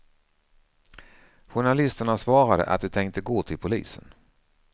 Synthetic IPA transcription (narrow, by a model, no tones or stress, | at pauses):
ɧʊɳalɪst̪əɳasvɑːɾad̪ə̰ʔa̰t̪̚d̪ɛt̪ʰɛŋkt̪əɡoːt̪ʰɪlpʰʊlḭːsə̰n